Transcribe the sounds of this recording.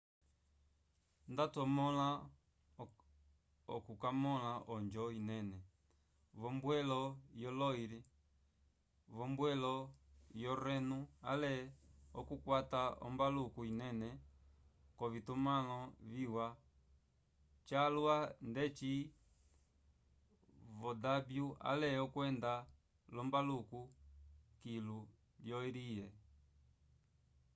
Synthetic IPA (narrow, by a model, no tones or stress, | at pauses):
ndatɔmɔla | ɔ̰kukamɔlaʔɔɲd͡ʒɔinɛnɛ | βɔmbwɛlɔjɔlɔiɾi | βɔmbwɛlɔjɔɾɛnua̰lɛɔkukwataɔ̰mbalukuinɛnɛ | kɔvitumalɔviwa | t͡ʃalwandɛt͡ʃi | vɔdabjua̰lɛɔkwɛnda | lɔmbaluku | kilu | ljɔiɾijɛ